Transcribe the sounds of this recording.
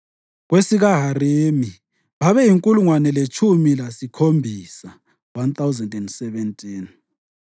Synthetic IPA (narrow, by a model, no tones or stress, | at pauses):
ɣwesiɣaɦaremi | βaβɛjiŋkʼuluŋwanɛlet͡ʃʰʼumilasikʰombʱisa | want̪awzɛndɛndsɛβɛntʼiːn